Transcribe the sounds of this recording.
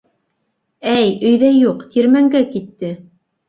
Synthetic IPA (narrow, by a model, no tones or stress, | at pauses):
æjɵ̆jðæjuqt̪iɾmæŋɡækit̪ːɘ